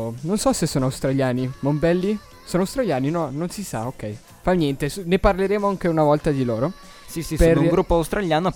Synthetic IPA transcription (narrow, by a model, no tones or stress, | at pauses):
nonsɔsesːoːnoawst̪ɾaʎjaːnimombɛlːi | soːnoawst̪ɾaʎjaːninɔnonsisa̰okːɛj | fanjɛnt̪esneparleɾeːmoaŋk̟eunavɔlt̪ad̪iloːɾo | sisiperuŋɡɾupːoawst̪ɾaljaːno